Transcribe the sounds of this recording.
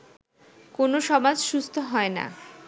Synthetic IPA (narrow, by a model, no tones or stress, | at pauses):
konoʃɔmad͡ʑʃust̪ʰoɦɔena̰